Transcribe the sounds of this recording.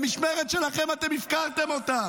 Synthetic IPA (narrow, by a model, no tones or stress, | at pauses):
miʃmeʁet̪ʃelaχemat̪emifkaʁt̪emo̞t̪a